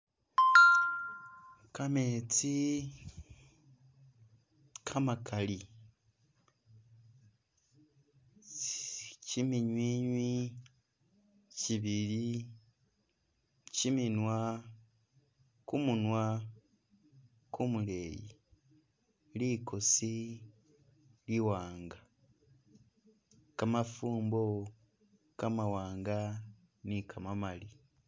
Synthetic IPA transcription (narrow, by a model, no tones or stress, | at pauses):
kamet͡si | kʰamakali | cimiɲwiːɲwi | ciβili | ciminwa | kumunwa | kumule̞jḭ | likʰosi | liwaːŋɡa | kamafuːmbo̞ | kamawaːŋɡa | nikamamali